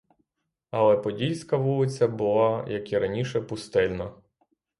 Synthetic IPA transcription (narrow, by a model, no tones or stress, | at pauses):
ɐlˠɛpɔdʲilʲsʲkɐʋulˠɪt͡sʲɐbʊlˠɑjɐkiɾɐnʲiʃɛpʊst̪ɛlʲnɐ